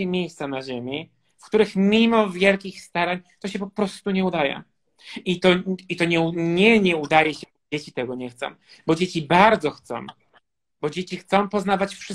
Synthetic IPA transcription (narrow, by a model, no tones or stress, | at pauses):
ɛmʲjejst̪sanaʑemʲi | fkt̪uɾɘxmʲimɔvʲjɛlkʲixst̪aɾaɲt̪ɔɕɛpɔpɾɔst̪uɲɛud̪ajɛ̰ | it̪ɔit̪ɔɲɛuɲɛɲɛud̪ajɛɕɛ | d͡ʑet͡ɕit̪ɛɡɔɲɛxt̪sɔ̰̃w̃ | bɔd͡ʑet͡ɕibaɾd̪zɔxt̪sɔ̰̃w̃ | bɔd͡ʑet͡ɕixt̪sɔ̃w̃pɔznavat͡ɕfʂɘ